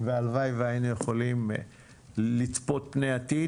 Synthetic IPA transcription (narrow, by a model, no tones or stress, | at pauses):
vealvajveainujeχo̞lim | lit͡spo̞t̪̚pnejat̪i